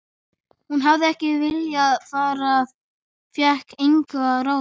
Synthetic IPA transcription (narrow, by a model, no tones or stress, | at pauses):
hunɦavðɪɛhcɪvɪljaðfaːɾað | fjɛhkejŋkaɾaː